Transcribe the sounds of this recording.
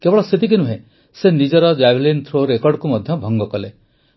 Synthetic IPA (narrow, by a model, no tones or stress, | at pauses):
kebɔɭɔset̪ik̬inũɦẽ | senid͡ʒɔɾɔd͡ʒablint̪ʰɾoɾekɔɾɖkumɔd̪ʱjɔbʱɔŋɡɔkɔle